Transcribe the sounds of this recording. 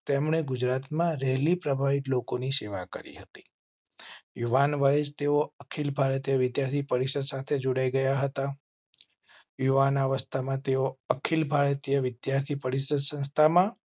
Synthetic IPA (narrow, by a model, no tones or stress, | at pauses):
t̪emɳ̃eɡʊd͡ʒɾat̪mãɾɛɦlipɾəbʱaʋit̪lokoniseʋakə̰ɾḭɦət̪i̥ | juʋanʋəjed͡ʒt̪eoəkʰilbʱaɾət̪jəʋɪd̪jaɾt̪ʰipəɾiʃəd̪sat̪ʰed͡ʒoɽaiɡəjaɦət̪a | juʋanaʋəst̪ʰamãt̪eoəkʰilbʱaɭət̪jəʋɪd̪jaɾt̪ʰipəɾiʃəd̪sə̃nst̪ʰamã